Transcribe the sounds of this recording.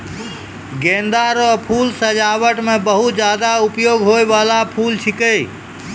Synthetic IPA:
ɡend̪aɾəpʰulsəd͡ʒaβəʈmebəɦut̪d͡ʒad̪aupjoɡɦojbalapʰult͡ʃʰikə

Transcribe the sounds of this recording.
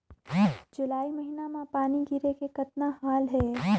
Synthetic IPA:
d͡ʒʊlaːimɐɦinamãpaːniɡʱɪɾekekɐt̪nahaːlɦɛː

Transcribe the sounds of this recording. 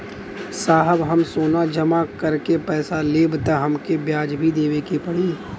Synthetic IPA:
saːɦəbɦɐmsoːnad͡ʒɐmakɐɾkepɛːsaleːbt̪aɦɐmkebjaːd͡ʒbʱid̪eːʋekipɐɽiː

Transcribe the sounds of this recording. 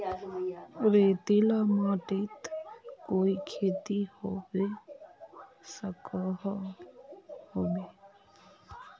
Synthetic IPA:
ɾeːt̪ilamaːʈit̪koːikʰeːt̪ihoʋe | səkəɦ | hoːbeː

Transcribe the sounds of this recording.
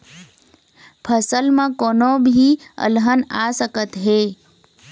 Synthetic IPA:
pʰəsəlmãkonobʱiə̰lɦənasəkət̪ɦe

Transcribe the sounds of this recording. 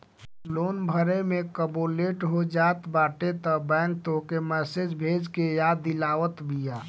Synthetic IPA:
loːnbʱəɾemẽkəboːleːʈɦod͡ʒaːt̪baːʈet̪əbɛ̃ːŋk̚t̪okemɛːsed͡ʒbʱeːd͡ʒkejad̪ilaːʋət̪bʱijaː

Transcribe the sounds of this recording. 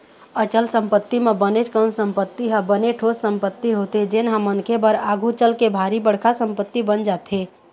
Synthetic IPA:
ət͡ʃəlsə̃mpət̪ːimẽbənet͡ʃkənsə̃mpət̪ːiɦəbəneʈʰossəmpət̪ːiɦot̪ed͡ʒenɦə̃mənkʰebəɾaɡʱut͡ʃəlkebʱaːɾibəɽ̤kʰasə̃mpət̪ːibənd͡ʒaːt̪ɦe

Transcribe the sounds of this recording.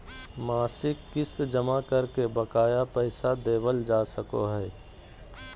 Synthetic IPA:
maːsɪkːɪst̪d͡ʒəmakəɾkebəkaːjapɛɪsad̪eːbəld͡ʒaːsəko̰ɦɛː

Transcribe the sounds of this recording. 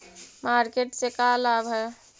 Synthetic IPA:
maɾkeʈsekalabʱɦɛ

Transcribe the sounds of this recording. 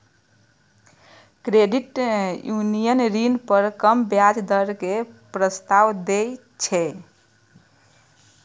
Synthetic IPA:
kɾeɖiʈjunijənɾinpəɾkəmbjad͡ʒd̪əɾkepɾəst̪aʋd̪e | t͡ʃʰɛ

